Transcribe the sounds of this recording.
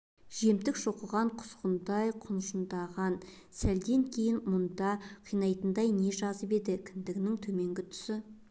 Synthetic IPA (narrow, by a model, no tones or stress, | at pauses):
ʒe̞mt̪ɪkʒo̞qəʁɑɴqʰʊ̥sqənd̪ɑjqʰʊnʃənd̪ɑʁɑn | sæld̪e̞ŋkʲʰe̞jɪnmʊnd̪ɑqʰijnɑjt̪ənd̪ɑjne̞ʒɑzəpe̞d̪ɪkʲʰɪnd̪ɪɡʲɪnɪŋt̪ʰɵme̞ŋɡʲɪt̪ʰʏ̥sɪ